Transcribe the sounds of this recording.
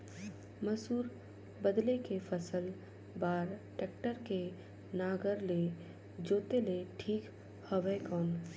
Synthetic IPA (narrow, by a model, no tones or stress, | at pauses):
məsuːɾ | bəd̪lekefʰəsəl | baːɾʈeːk̚ʈəɾke | naːɡəɾle | d͡ʒoːt̪eleʈʰiːk | həʋəjkɔːn